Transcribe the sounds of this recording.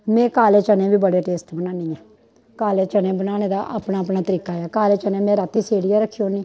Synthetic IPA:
mɛ̃ːkaːleːt͡ʃənẽːbiːbəɽeːʈeːsʈbənãːniːɛː | kaːleːt͡ʃənẽːbənaːneːd̪aːʔa̰ːpnaːəpnaːt̪əɾiːkaːaːkaːleːt͡ʃənẽːmɛ̃ːɾat̪ːiːseːɽijaːɾəkʰːioːniː

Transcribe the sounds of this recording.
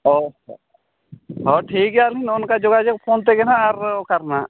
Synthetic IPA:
oː | ɦoːʈʰiːkɦaːlinʊnkad͡ʒʊɡad͡ʒekpʰoːnt̪̬eɡenaaɾkɐɾna

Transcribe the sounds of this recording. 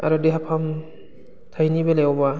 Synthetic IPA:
a̰ɾɔdiɦapʰam | tʰajnibeleɔba

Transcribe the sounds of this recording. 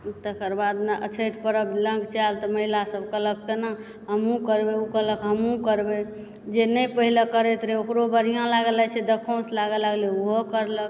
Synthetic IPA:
t̪əkəɾbad̪meʔə̰t͡ʃʰəjʈ̪pəɾəblə̃ŋɡt͡ʃalt̪ɔməɦilasəbʱkələkːena | ɦəmũkəɾbeukələkɦəmũkəɾbe | d͡ʒenəjpəɦilekəɾɛt̪ɾeokɾobəɾ̤ijãlaɡəlɛt͡ʃʰɛd̪əkʰõslaɡəlaɡleuɦokəɾlək

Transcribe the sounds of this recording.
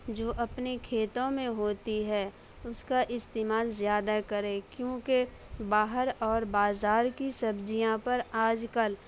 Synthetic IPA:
d͡ʒoːʔɐpnekʰeːt̪õmẽɦoːt̪iɦɛː | ʊskaʔɪst̪eːmaːlzjaːd̪akəɾẽːkjõːke | baːɦəɾɔːɾbaːzaːɾkisɐbd͡ʒijãpɐɾaːd͡ʒkəl

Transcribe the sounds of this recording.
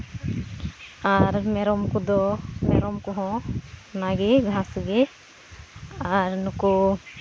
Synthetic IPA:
aɾmɛɾɔmkɔd̪ɔmɛɾɔmkɔɦɔ̃naɡɛɡʱãsɡɛ | aɾnukɔ

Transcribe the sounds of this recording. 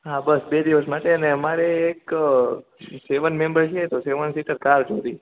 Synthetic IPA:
ɦãbəsbed̪iʋəsmaʈeəneəmaɾeːk | seʋənmẽmbəɾt͡ʃʰet̪oseʋənsiʈəɾkaɾd͡ʒoɾi

